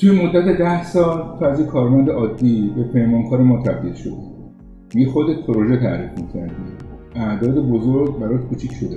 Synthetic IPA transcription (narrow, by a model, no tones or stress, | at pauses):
t̪ʰujemo̞d̪ːæt̪e̞d̪æhsɒːlt̪ʰæzikʰɒːɾmænd̪eʔɒːd̪ːiːbepʰejmɒːnkʰɒːɾemɒːt̪ʰæb̚d̪ilʃo̰d̪i | mijexod̪et̪̚pʰeɾoʒe̞t̪ʰæ̰ɾiːfmicʰæ̰ɾd̪i | æʔd̪ɒːd̪e̞bozoɾɡ̚bæɾɔt̪kʰuːt͡ʃʰicʰʃod̪e